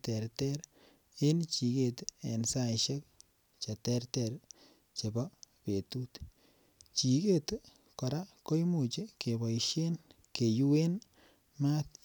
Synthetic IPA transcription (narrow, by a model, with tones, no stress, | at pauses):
tɛ˨ɾtɛ˦ɾ | e˦nt͡ʃi˨ke˨tḛ˨nsa˦ɪʃe˦k̚ | t͡ʃa˨tɛ˦rtɛr | t͡ʃe˨ba˦pe˨tu˦t̪ | t͡ʃi˨ke˦t | kɔ˨ɾa˦ko˦jmu˨t͡ʃe˦ke˨bɔ˨jʃe˦n | ke˨ju˦we˦n | ma˦t̪̚